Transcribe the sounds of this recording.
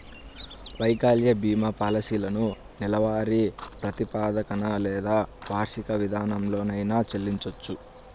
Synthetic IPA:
ʋɐjkaːljɐbʱiːmɐpɐlɐsiːlɐnunilɐʋaːɾipɾɐt̪ipaːd̪ɐkɐnɐlɛːd̪aːbʱaːɾʂikɐʋid̪ʱaːnɐmlo̞ːnɐjnaːt͡ʃelːiɲt͡ʃot͡ʃːu

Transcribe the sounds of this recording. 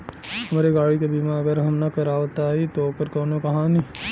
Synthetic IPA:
hɐmaːɾeɡaːɽikebimaɐɡəɾɦɐmnakɐɾaːʋt̪aɦit̪okəɾkɐːnõkɐɦãni

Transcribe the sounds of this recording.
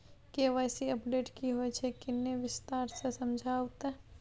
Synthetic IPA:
keʋajsiəpɖeːʈkiɦoɛt͡ʃʰekɪnːeʋɪst̪aːɾsesɐmd͡ʒʱaːwt̪

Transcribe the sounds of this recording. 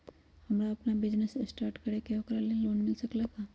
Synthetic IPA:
hɐmɾaɐpnabɪd͡ʒnesesʈaːɾʈkəɾekeokɾaleloːnmɪlsɐklakʰaː

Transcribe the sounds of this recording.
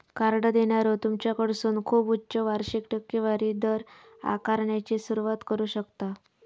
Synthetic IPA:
kaɾɽəd̪eɳjaɾot̪umt͡ɕjakəɽsuːnkʰuːputːt͡ɕəʋaɾɕikʈəkːiʋaɾiːd̪əɾ | a̰kaɾɳjat͡ɕiːsuɾuʋat̪kəɾuːɕəkt̪a

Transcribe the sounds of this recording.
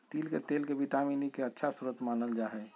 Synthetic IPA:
t̪iːlket̪eːlkeʋiʈaːmiːnikeətːʃʰasuɾət̪maːnəld͡ʒaːɦɛ

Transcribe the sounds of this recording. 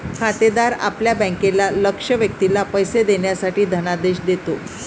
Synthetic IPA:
kʰat̪ed̪aɾa̰pljabə̃ŋkelaləkʂəʋjək̚t̪ilapəjsed̪eɳjasaʈiːd̪ʱənad̪eɕd̪et̪o

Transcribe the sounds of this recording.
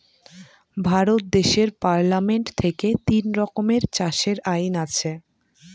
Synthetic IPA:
bʱaɾot̪̚d̪eʃeɾpaɾlameɳʈt̪ʰeket̪inɾɔkomeɾt͡ɕaʃeɾajnat͡ɕʰe

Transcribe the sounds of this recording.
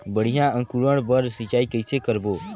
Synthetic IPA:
bəɽ̤ijãə̃ŋkuɾəɽbəɾsit͡ʃaːikəɪsekəɾboː

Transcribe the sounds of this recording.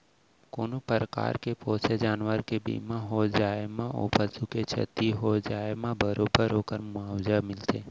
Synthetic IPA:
koːnopəɾəka̰ːɾkepoːsed͡ʒaːnʋəɾkebḭːmãɦod͡ʒaːemão̰pəsuket͡ʃʰə̰t̪iɦod͡ʒaːemãbəɾoːbəɾɦoːkəɾmʊaːwd͡ʒamɪlt̪eː

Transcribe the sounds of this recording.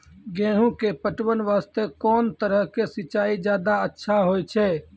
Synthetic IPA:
ɡẽːɦũkepəʈʋənʋaːst̪ekɔːnt̪əɾəɦkesɪt͡ʃaːid͡ʒjaːd̪aətːʃʰaɦojt͡ʃʰɛ

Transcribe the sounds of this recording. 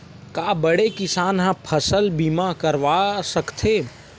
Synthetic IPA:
kabəɽekɪsaːnɦãpʰəsəlbimakəɾʋasəkt̪ʰe

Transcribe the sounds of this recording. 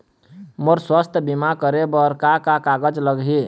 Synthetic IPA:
moɾswəst̪ʰbimakəɾebəɾkakakaɡəd͡ʒləɡɦi

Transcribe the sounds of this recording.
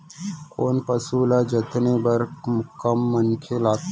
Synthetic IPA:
koːnpɐsuːlad͡ʒɐt̪nebɐɾkkəmːənkʰelaːk̚

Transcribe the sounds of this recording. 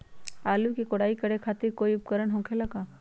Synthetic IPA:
aːlukikoɽaːikɐɾekʰaːt̪ɪɾkoːiʊp̚kəɾəɳɦõːkʰelɐɡaː

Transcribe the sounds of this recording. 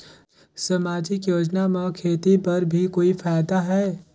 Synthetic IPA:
sɐmaːd͡ʒɪkjoːd͡ʒnamẽkʰeːt̪ipɐɾbʱikoːifaːjd̪aɦɛː

